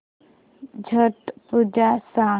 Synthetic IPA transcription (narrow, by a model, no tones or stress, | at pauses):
d͡ʑʱəʈpud͡ʒasa